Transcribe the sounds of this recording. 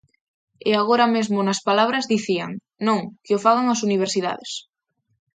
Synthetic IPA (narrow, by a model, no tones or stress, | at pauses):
eaɣ̞oɾamezmonaspalaβ̞ɾazðiθia̰ŋ | nõŋkeofaɣ̞aŋasuniβ̞eɾsiða̰ðes